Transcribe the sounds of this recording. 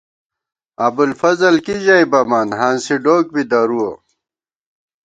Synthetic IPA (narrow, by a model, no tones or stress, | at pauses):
ɐbulfɐzɐlkiʑajbɐmaːnɦaːnsiɖoːk̚bid̪ɐɾuo